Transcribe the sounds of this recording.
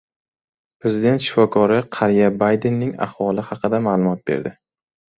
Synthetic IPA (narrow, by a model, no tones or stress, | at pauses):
pɾe̞zid̪e̞nt̪ʃɪ̥fɒkʰɒɾɪqʰɑɾijabajd̪e̞nːɪŋa̰hvɒlˠɪhɑqɨd̪amaːlˠʊmɒt̪̚beɾd̪ɪ